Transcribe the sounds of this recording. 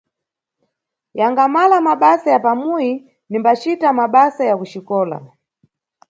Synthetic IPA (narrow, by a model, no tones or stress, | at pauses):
jaŋɡamalamaɓasajapamuji | nimbat͡ʃitamaɓasajakut͡ʃikɔːla̰